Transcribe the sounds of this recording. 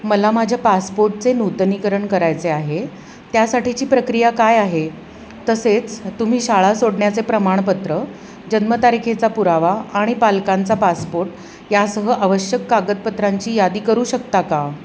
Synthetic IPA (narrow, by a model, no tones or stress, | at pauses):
məlamad͡ʑʱjapaspoɾʈ̚t͡senut̪nikəɾəɳkəɾajt͡seaɦe | t̪jasaʈit͡ɕiːpɾəkɾijakajaɦe | t̪əset͡st̪um̤iːɕaɭasoɽɳjat͡sepɾəmaɳ̃pət̪ɾə | d͡ʑənmət̪aɾikʰet͡sapuɾaʋaaɽ̃ipalkãnt͡sapaspoɾʈ̚ | jasəɦəʔaʋəɕjəkːaɡət̪̚pət̪ɾaɲt͡ɕiːjad̪iːkəɾuːɕəkt̪aka